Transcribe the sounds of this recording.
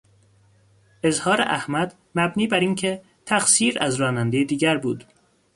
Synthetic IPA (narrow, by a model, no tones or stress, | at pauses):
e̞zhɒːɾḛʔæhmæd̪ | mæbniːbæɾiːncʰe | t̪ʰæxsiːɾæzɾɒːnænd̪ejed̪iːɡæɾbuːd̪̥